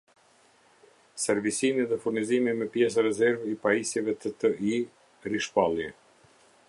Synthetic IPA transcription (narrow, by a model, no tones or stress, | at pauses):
sɛɾvisimiðɛfuɾnizimimɛpjɛs̬əɾɛzɛɾvipaisɛvɛt̪ət̪əi | riʃpalˠjɛ